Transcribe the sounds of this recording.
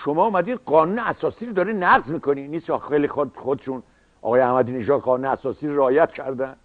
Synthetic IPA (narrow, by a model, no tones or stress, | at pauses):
ʃomɒːumæd̪iːd̪ɢɒːnuːneæsɒːsiːɾod̪ɒːɾinæɡzmiːkʰoniːniːsxelixoxod̪eʃun | ɒ̰ɣɒːjeæhmæd̪iːne̞ʒɒːd̪ʁɒːnuneæsɒːsiːɾoɾeɒːjæt̪̚cʰæɾd̪æn